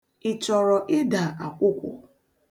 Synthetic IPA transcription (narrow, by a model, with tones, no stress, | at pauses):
ɪ˨t͡ʃɔ˨ɾɔ˨ʔɪ˦da˨a˨kʷʊ˦kʷʊ̰˨